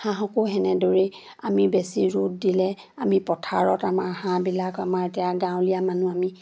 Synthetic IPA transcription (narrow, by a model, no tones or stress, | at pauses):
hãɦɔkoɦɛnɛdoɹi | amibesiɹut̚dilɛ | amipɔtʰaɹɔtamaɹhãbilakamaɹetijaɡãw̃lijamanuami